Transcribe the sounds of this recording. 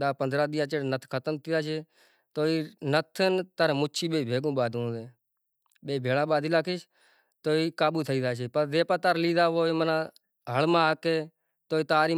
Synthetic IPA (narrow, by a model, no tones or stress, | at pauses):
ɗ̪aːpənd̪ɾaːd̪ɪjãːt͡ʃeːɽnət̪ʰkʰət̪əmt̪ʰiːd̪aːt͡ʃʰeː | t̪oːiːnət̪ʰənt̪əɾmʊt͡ʃʰiːɓeːbʱeːɡõːɓaːd̪ʱõːd̪eː | ɓeːbʱeːlãːɓaːd̪ʱiːlaːkʰiːʃ | t̪oːiːkaːɓuːt̪ʰəiːd̪aːt͡ʃʰeːpəɾdeːpaːt̪aːɾliːd̪aːʋoːiːmənãː | ɦəlmãːkeː | t̪oːiːt̪aːɾiː